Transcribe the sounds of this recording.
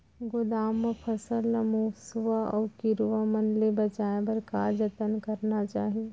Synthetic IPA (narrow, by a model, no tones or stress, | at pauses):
ɡʊd̪aːmːəpʰɐsəlːəmuːsuʋaɔːɾkɪɾuʋamɐnlebɐt͡ʃaːẽbɐɾkaːɾd͡ʒət̪ənkɐɾnat͡ʃaːɦie